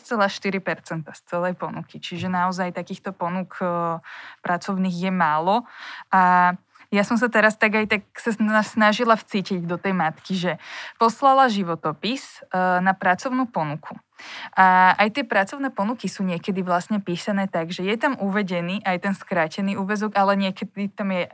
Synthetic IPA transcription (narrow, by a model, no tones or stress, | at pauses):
st͡sɛlaʃt̪iɾipɛɾt͡sɛnt̪ast͡sɛlɛjpɔnukit͡ʃiʒɛnaɔzajt̪akiːxt̪ɔpɔnuk | pɾat͡sɔʊniːɣjɛmaːlɔʔa | jasɔms̬at̪ɛɾast̪aɡajt̪aksasnaʒilaft͡siːciɟd̪ɔt̪ɛjmat̪kiʒɛpɔslalaʒiʋɔt̪ɔpisnapɾat͡sɔʊnuːpɔnukʰu | ʔaajt̪ɪɛpɾat͡sɔʊnɛːpɔnukisuːɲɪɛkɛd̪iʋlasɲɛpiːsanɛːt̪aɡʒɛjɛt̪amʔuʋɛɟɛniːʔajt̪ɛnskɾaːcɛniːuːʋɛzɔɡalɛɲɪɛkɛd̪it̪amjɛ